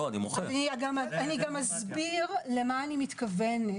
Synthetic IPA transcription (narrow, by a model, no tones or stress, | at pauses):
oanimoχeniɡamaniɡamːaz | biʁle̞maːnimit̪kɐven